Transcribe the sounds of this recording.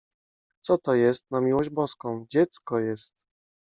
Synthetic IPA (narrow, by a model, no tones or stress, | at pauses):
t̪sɔt̪ɔjɛst̪namʲiwɔʑd͡ʑbɔskɔ̃w̃d͡ʑɛt̪skɔjɛst̪̚